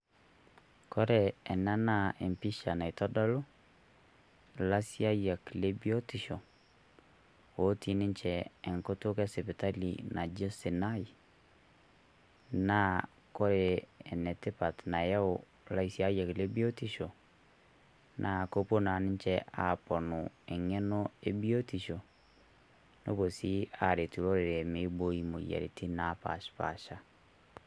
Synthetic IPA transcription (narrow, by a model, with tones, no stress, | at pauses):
kɔ˦ɾɛ˨ɛ˨na˦na˦˨e˨mpi˦ʃa˨na˨i˨tɔ˦dɔ˦lo˦ | la˦si˦a˦ja˨ki˨le˦bi˦ɔ˦ti˨ʃɔ˨ | wo˨˦ti˨nɪ˦ɲt͡ʃɛː˦˨ŋko˦to˦kɛ˦sɛ˨pe˨ta˦lḭ˨na˨d͡ʒe˦se˨na˦i˨ | na˦ | ko˦ɾeː˨nɛ˨te˦pa˨tna˨ja˦o˨ | la˦i˦si˦a˦jɛ˨ke˨le˦bi˦o˦ti˦ʃo˨ | nʔa˨ko˦po˦na˨nɪ˦ɲ˦t͡ʃɛ˦ʔa˨pɔ˨no˨ɛ˨ŋɛ˦nɔ˦e˦bi˦o˦ti˨ʃo˨ | no̰˦βo˨si˦a˨ɾe˨tu˨ɾo˦ɾe˨ɾɛ˨me˦bo˦i˦mo˨ja̰˨ɾḛ˨tʰi˦na˦pa̰˨ʃpa̰˨ʃa˦